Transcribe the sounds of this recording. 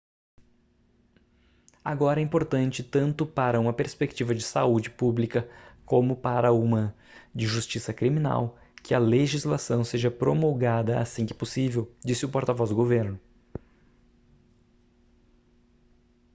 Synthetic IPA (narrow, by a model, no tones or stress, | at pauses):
a̰ɡɔɾɐɛĩmpoɾt̪ɐ̃nt͡ʃɪt̪ɐ̃nt̪ʊpaɾɐũmɐpeɾspekt͡ʃivɐd͡ʒɪsaud͡ʒɪpublikɐkõmʊpaɾɐũmɐ | d͡ʒɪʒust͡ʃisɐkɾimĩna̰w | kɪɐleʒizlasɐ̃w̃seʒɐpɾomoɡad̪ɐa̰sĩkɪ̥posivewd͡ʒisɪʊpɔɾt̪avɔzd̪ʊɡoveɾnʊ